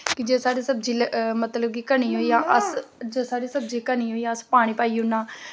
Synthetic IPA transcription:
kɪd͡ʒeːsaːɾiːsəbd͡ʒiːlmət̪ləb̚kiːkənĩːɦoːijãːʔəsd͡ʒeːsaːɾiːsəbd͡ʒiːkəniːɦoːiːjãːəspaːɽ̃iːpaːiːʊnãː

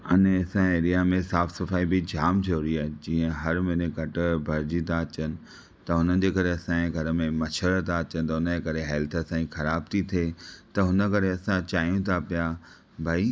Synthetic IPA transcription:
ɐnesãeːɾijamẽsaːfsɐfaːibɪd͡ʑʱaːmt̪ʰioɾiaːɦed͡ʑĩːə̃ɦɐɾmɪneɡɐʈʊ̆bʱɐɾd͡ʑit̪ʰaɐt͡ɕənɪ̆ | t̪ɐɦʊnən̆d͡ʑeːkɐɾeɐsãẽɡʱɐɾəmẽmɐʃʰəɾt̪ʰaɐt͡ɕənɪ̆t̪ɐʊnəd͡ʑeːkɐɾeɦɛːlt̪ʰəɐsãːixɐɾaːb̚t̪ʰit̪ʰeːt̪ɐɦʊnə̆kɐɾeɐsãt͡ɕaːɦijũt̪ʰapija | bʱaːi

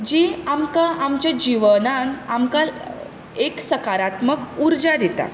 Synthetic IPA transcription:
d͡ʑiːamkaʔamt͡ɕjad͡ʑiʋənanamkal | eksəkaɾat̪məkuɾd͡ʑad̪et̪a̰

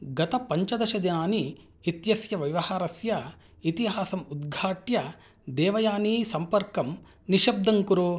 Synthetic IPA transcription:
ɡɐt̪ɐpɐɲt͡ʃɐd̪ɐʃɐd̪inaːniː | t̪jɐsjɐʋɐʋɐhaːɾɐsjɐ | it̪iɦaːsɐmud̪ɡʱaːʈjɐ | d̪ɛːʋɐjaːnisɐmpɐɾkɐm | niʃɐb̚d̪ʱɐŋkuɾoː

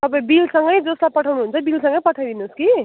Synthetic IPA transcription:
t̪ʌpãĩbilsʌŋɡʌjd͡zoslapʌʈʰawnuɦunt͡sʰʌbilsʌ̃ŋɡʌjpʌʈʰawd̪inuski

